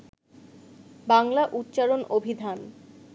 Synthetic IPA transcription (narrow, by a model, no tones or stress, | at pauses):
baŋlaʔutːɕaɾonʔobʱid̪ʱan